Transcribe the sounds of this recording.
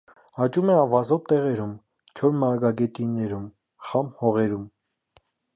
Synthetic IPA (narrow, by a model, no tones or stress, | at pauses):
ɑt͡ʃumɛɑvɑzɔvt̪ɛʁɛɾum | t͡ʃʰɔɾmɑɾɡɑɡɛt̪inɛɾum | χɑmhɔʁɛɾum